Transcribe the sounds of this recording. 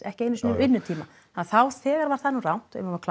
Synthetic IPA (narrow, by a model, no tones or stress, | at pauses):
ɛhcɪejnʏsiːnɾʔʏnːʏt̪ʰiːma | aθawθɛːɣaɾvaɾ̥θanuɾrawn̥t̪ɛ̰nvɪvaɾkʰl